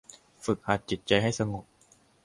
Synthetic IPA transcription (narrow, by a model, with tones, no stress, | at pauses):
fɯ˨˩k̚haː˨˩t̪̚t͡ɕi˨˩t̪̚t͡ɕa˧jɦa˥˩jsa˧ŋo˨˩p̚